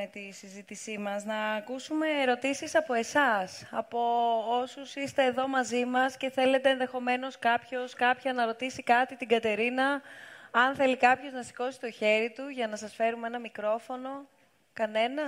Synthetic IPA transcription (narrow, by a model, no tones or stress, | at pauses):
et̪isizit̪isimɐznɐːkusume̞ːɾo̞t̪isisɐpo̞e̞sɐsɐpo̞osusist̪e̞ːðo̞mɐzimɐsce̞θe̞le̞t̪e̞ːnðe̞xo̞me̞no̞skɐpço̞skɐpçɐnɐɾo̞t̪isikɐt̪it̪iɡɐt̪e̞ɾinɐː | nθe̞likɐpço̞znɐsi̥ko̞si̥t̪o̞çe̞ɾit̪uʝɐnɐsɐsfe̞ɾume̞nɐmikɾo̞fo̞no̞ | kɐne̞nɐ